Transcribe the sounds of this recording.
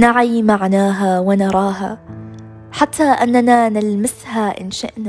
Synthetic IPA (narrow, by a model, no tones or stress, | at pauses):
naʕijmaʕnaːɦawɪnɑɾˤɑːɦa̰ | ħat̪ʰːaʔanːananɪlmɪshaʔɪ̰nʃa̰ʔna